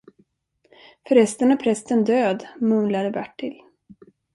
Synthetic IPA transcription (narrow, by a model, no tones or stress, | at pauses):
fœɾɛst̪əɳaɾpʰɾɛst̪ənd̪øːd̪mɵnlaɾəbæʈːɪl